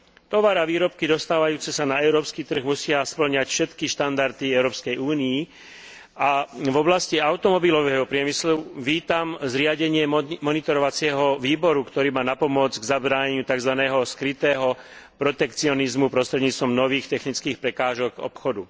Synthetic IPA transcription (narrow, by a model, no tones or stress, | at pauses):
t̪ɔʋaɾaʋiːɾɔp̚kid̪ɔst̪aːʋajuːt͡sɛsanaɛʊɾɔːpskit̪r̩ɣmusɪaspl̩ɲacfʃɛt̪kiʃt̪and̪aɾt̪iɛʊɾɔːpskɛjuːnii | avɔblasciaʊt̪ɔmɔbilɔʋɛɦɔpɾɪɛmisluʋiːt̪amzɾɪaɟɛɲɪɛmɔnit̪ɔɾɔʋat͡sɪɛɦɔʋiːbɔɾukt̪ɔɾiːmaːnapɔmɔd͡zɡzabɾaːɲɛɲɪut̪aɡzʋanɛːɦɔskɾit̪ɛːɦɔpɾɔt̪ɛkt͡siɔnizmupɾɔst̪ɾɛd̪ɲiːt͡st̪ʋɔmnɔʋiːxt̪ɛxnit͡skiːxpɾɛkaːʒɔɡɔ̰pxɔd̪u